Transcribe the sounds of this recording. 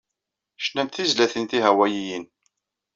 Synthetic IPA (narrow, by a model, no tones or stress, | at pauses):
ʃnænt̪θizlæθənt̪iɦæwæjijin